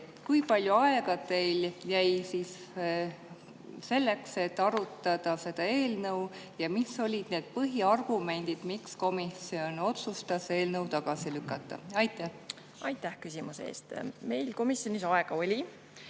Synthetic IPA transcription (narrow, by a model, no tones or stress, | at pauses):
kujpɑlʲjuɑe̞ɡ̥ɑd̪t̪e̞jljæjsiːs | se̞lːe̞kse̞t̪ːˑɑɾut̪ːˑɑd̪̥ɑse̞d̪̥ɑe̞ːlnɤw | jɑmiso̞lʲid̪̥ne̞ːd̪̥̚pɤɦiɑrɡ̥ume̞nʲd̪̥id̪̥miksko̞misio̞no̞t̪sust̪ɑse̞ːlnɤwt̪ɑɡ̥ɑsilykːˑɑt̪ːˑɑ̰ɑjt̪ːˑæh | ɑjt̪ːˑæhkysimusḛːst̪me̞jlko̞misjo̞nisɑeɡ̥ɑo̞lʲi